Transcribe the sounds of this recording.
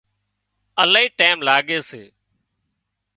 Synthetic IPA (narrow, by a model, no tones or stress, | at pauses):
əlaːiːʈaːɪmlaːɠeːseː